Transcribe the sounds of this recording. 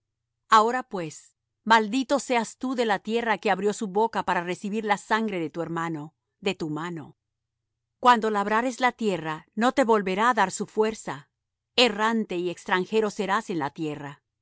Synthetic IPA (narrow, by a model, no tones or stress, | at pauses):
ao̞ɾapwe̞s | mald̪it̪o̞se̞ast̪uðe̞lat̪je̞rake̞aβɾjo̞suβo̞kapaɾare̞siβiɾlasaŋɡɾe̞ðet̪ue̞ɾmano̞ | ðe̞t̪umano̞̰ | kwand̪o̞laβɾaɾe̞zlat̪je̞rano̞t̪e̞βo̞lβe̞ɾaːðaɾsufwe̞ɾsa | erant̪e̞iekst̪ɾaŋxe̞ɾo̞se̞ɾase̞nlat̪je̞ra